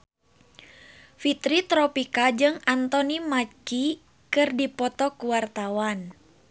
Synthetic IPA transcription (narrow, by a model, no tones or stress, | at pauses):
fit̪ɾit̪ɾɔpikad͡ʒɨŋant̪ɔnimat͡ʃi | kɨrdipɔt̪ɔkuwart̪awan